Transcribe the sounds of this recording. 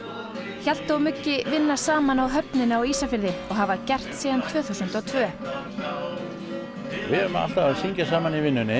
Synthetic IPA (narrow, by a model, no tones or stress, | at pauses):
çal̥t̪ʏɔwmʏcːɪvɪnːasaːmanawɦœpnɪnawiːsafɪɾðɪɔɣɦavacɛr̥t̪siːðant̪ʰv̥œːθusʏnt̪ɔwt̪ʰvœː | vɪʏma̰l̥t̪avaðsiɲcasaːmanivɪnːʏnɪ